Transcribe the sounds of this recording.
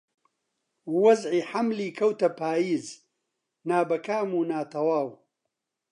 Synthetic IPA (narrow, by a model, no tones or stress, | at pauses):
wɐzʕiːħamliːkʰɐwt̪ɐpʰaːjiːz | naːbɐkaːmuːnaːt̪ʰɐwaːw